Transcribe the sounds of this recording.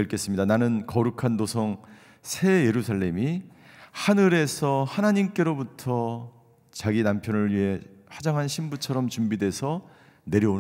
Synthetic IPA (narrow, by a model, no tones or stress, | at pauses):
eɭk͈e̞s͈ɯmɲidananɯnkʌɾukʰandosʰʌŋ | sʰe̞je̞ɾusʰaɭːe̞mi | hanɯɾe̞sʰʌhanaɲimk͈e̞ɾobutʰʌ | t͡ɕaɡinampʰjʌnɯɭɥiɦe̞ɸad͡ʑaŋɦanɕʰimbut͡ɕʰʌɾʌmt͡ɕumbide̞sʰʌ | ne̞ɾjʌu